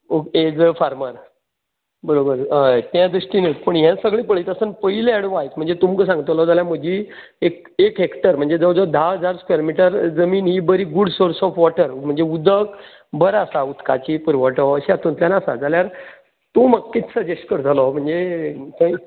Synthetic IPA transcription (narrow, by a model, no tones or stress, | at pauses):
oed͡zfaɾməɾ | bəɾobəɾɦət̪jãd̪ɾuʂʈinət̪pəɳjãsəɡɭĩːpəɭ̤it̪əsənpəɦileɛɽʋajt̪m̤əɳd͡zet̪umkəs̬ãŋɡt̪əlɔd͡zaljaməd͡ʑiː | ek | ekɦekʈəɾm̤əɳd͡zed͡zəd͡zɔd̪ʱaɦəd͡zaɾskwjeɾmiʈəɾd͡zəmiːnɦiːbəɾiːɡuɽsoɾsɔfʋɔʈəɾm̤əɳd͡zeud̪ʱək | bəɾasaut̪ka̰t͡ɕipuɾʋəʈɔəɕeat̪unt̪ljanasa̰d͡zaljaɾ | t̪oməɡ̚kːit̪səd͡ʑesʈkəɾd͡zʱalɔm̤əɳd͡zet̪ə̃